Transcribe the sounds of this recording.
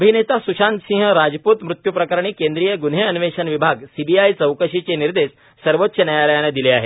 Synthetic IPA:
əbʱinet̪asuɕant̪sĩŋɦəɾad͡zpuːt̪mɾut̪jupɾəkəɾɳ̃iːkend̪ɾijəɡunɦeənʋeɕənʋibʱaɡsibiajt͡səwkəɕit͡seniɾd̪es | səɾʋot̪ːɕənjajaləjaned̪ileaɦḛ

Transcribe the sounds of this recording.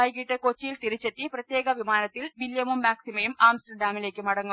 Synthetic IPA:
aːjkiʈːekot͡ɕːijilt̪iɾit͡ɕːet̪ːiprɐt̪jeːɡɐʋimaːnɐt̪ːilʋiljɐmumːaːksimɐjumaːmsʈɐrɖaːmile̞ːkʲːɨmɐɽɐŋːu

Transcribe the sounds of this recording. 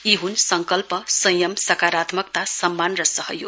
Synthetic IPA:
iɦunsʌŋkʌlpʌsʌjʌmsʌkaɾat̪mʌkt̪asʌmːanrʌsʌɦʌ̰jo̰

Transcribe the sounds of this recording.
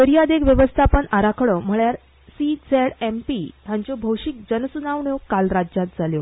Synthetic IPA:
kəɾijad̪ekʋjəʋəst̪ʰapəɳaɾakʰɽəm̤əɭjaɾ | sid͡zeɽempit̪jaɲt͡ɕɔbʱəwʂik̚d͡ʑənəsunaʋɳjokalɾad͡ʑat̪̚d͡zʱaljo

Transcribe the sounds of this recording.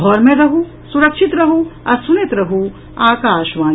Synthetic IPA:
ɔːɾmẽɾɐɦũ | sʊɾɐkʃɪt̪ɾɐɦuɐɾsʊnɪt̪ɾɐɦu | aːkaːʃʋaː

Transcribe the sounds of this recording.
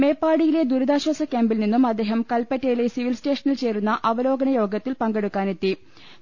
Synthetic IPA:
me̞ːpːaːɽijile̞d̪uɾɐd̪aːɕwɐsɐkʲaːmbilninːumɐd̪ːe̞ːɦɐmkɐlpɐtːɐjile̞siʋilste̞ːʂɐnilt͡ɕe̞ːrunːɐʔɐʋɐlo̞ːɡɐnɐjo̞ːɡɐt̪ːilpɐŋɡeɽukːaːne̞t̪ːi

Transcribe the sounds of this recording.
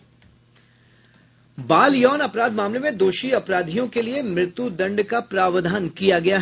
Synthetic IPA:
baːljɔːnɐpɾaːd̪maːmlemẽd̪oːʃiɐpɾaːd̪ʱijõkeliemɾɪt̪jud̪ɐ̃ɳɖkapɾaːʋd̪ʱaːnkijaɡɐjaɦ

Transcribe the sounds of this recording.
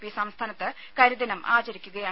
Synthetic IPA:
pːisɐmst̪ʰaːnɐt̪ːɨ | kɐɾud̪inɐmʔa̰ːt͡ɕɐɾikʲːuɣɐjaː

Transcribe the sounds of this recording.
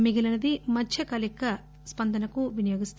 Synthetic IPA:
miɡilɐnɐd̪imɐdt͡ʃʰɐkɐlikːɐ | spɐnd̪ɐnɐkuʋinɐjoːɡist̪

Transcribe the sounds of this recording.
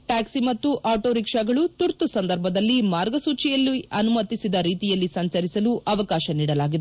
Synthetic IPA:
ʈaːksimɐt̪ːuʔaːʈoːɾikʂɐɡɐɭut̪uɾt̪usɐnd̪ɐɾbʱɐd̪ɐlːimaːɾɡɐsuːt͡ʃijɐlːiɐnumɐt̪ːisid̪ɐɾiːt̪ijɐlːisɐɲt͡ʃɐɾisɐluʔɐʋɐkaːʃɐniːɽɐlaːɡid̪e

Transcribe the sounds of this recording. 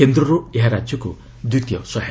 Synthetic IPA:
end̪ɾɔɾueɦaɾad͡ʒjɔku | d̪it̪jɔ̰sɔɦ

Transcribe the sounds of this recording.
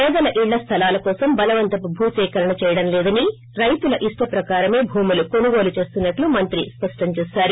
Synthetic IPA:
ɛɐd̪ɐlɐʔiɭːɐst̪ʰɐlaːlɐkɔːsɐmbɐlɐʋɐnt̪ɐpubʱuːsɛːkɐɾɐɳɐt͡ʃɛːjɐɽɐnlɛːd̪ɐni | ɾɐjt̪ulɐʔiʂʈɐpɾɐkaːɾɐme̞ːbʱuːmuluko̞nuɡo̞ːlut͡ʃe̞ːst̪unːɐʈlumɐnt̪ɾispɐʂʈɐɲt͡ʃɛːsaːɾu

